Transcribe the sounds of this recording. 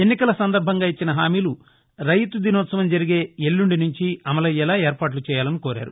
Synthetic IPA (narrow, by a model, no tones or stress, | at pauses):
enːikɐlɐsɐnd̪ɐɾbʱɐŋɡaːit͡ʃːinɐɦaːmiːlu | ɾɐjt̪ud̪inɔːt̪sɐʋɐmd͡ʒɐɾiɡe̞ːelːuɳɖinuɲt͡ʃiɐmɐlɐjɛlaːɛːɾpaːʈ̬lut͡ʃɛːjaːlɐnikoːɾa̰ːɾu